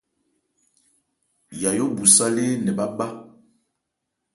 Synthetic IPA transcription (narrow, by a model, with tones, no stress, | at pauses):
ja˨jo˦bu˨sa˦le˦nɛ˨ba˦ba˦